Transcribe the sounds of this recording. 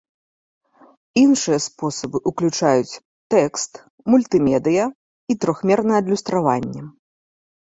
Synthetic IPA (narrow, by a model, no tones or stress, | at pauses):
inʂɨjɐspɔsɐbɨʔuklʲut͡ʂajut͡sʲ | t̪ɛkst̪ | mulʲt̪ɨmʲɛd̪ɨjɐ | it̪ɾɔxmʲɛrnɐjɛɐd̪lʲust̪ɾava̰nʲːɛ